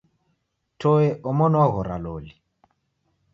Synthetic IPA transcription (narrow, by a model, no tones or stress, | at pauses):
tʰɔɛʔɔmɔnwaɣɔɾa̰loːli